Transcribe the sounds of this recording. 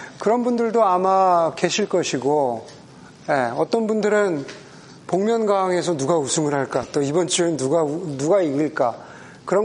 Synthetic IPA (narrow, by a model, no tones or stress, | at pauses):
kɯɾʌnbundɯɭdoamake̞ɕʰiɭk͈ʌɕʰiɡo | je̞ʌt͈ʌnbundɯɾɯn | poŋmjʌnɡaŋe̞sʰʌnuɡausʰuŋɯɭɦaɭk͈at͈oibʌnt͡ɕ͈ʰiɾɯnːuɡanuɡaiɡiɭk͈a | kɯɾʌ